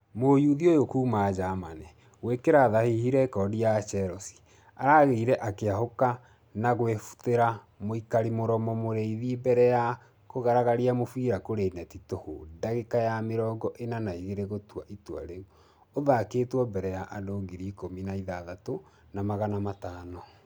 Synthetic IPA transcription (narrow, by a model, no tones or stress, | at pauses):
mojuðiojokuːmad͡ʒamanɛ | wekeɾaðahihiɾɛkɔdijat͡ʃɛɾɔsi̥ | aɾaɣeiɾɛʔakeahoka | naɣwefu̥teɾa | moikaɾimoɾɔmɔmoɾeiðibɛɾɛja | koɣaɾaɣaɾiamofiɾakoɾenɛtitoho̰daɣekajameɾɔːɡɔʔenanaiɣeɾeɣotuaʔitwa̰ɾeu | oðakeːtwɔbɛɾɛjaʔadoːŋɡiɾikominaiðaðato | namaɣanamataːnɔ